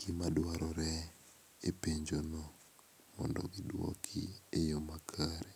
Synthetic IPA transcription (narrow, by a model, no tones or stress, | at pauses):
ɡ̥imadwaɾɔɾɛ | epeɲd͡ʒono | mɔ̰ndɔ̰ɡidwɔ̰kʰḭejomakʰaɾe